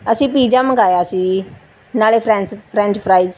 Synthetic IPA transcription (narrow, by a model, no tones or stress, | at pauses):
əsĩːpiːd͡ʒaːməɡaːjaːsiː | naːleːpʰɾɛ̃ːnspʰɾɛ̃ːnt͡ʃpʰɾaːiz